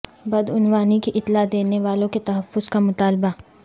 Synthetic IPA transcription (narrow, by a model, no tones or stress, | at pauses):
bɐd̪ʊnʋaːnikiʔɪt̪lad̪eːneʋaːlõket̪ɐɦəfːʊzkamʊt̪aːlba